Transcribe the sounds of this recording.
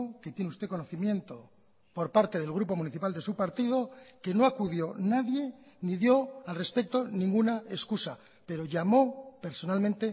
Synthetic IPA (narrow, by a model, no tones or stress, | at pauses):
ke̞t̪je̞neust̪e̞ko̞noθimje̞nt̪o̞ | po̞ɾpaɾt̪e̞ð̞e̞lɣ̞ɾupo̞mũniθipald̪e̞supaɾt̪ið̞o̞ke̞no̞akuðjo̞naðje̞ | niðjo̞alre̞spe̞k̚t̪o̞nĩŋɡunae̞skusa | pe̞ɾo̞ʝamo̞pe̞ɾso̞nalmẽnt̪e̞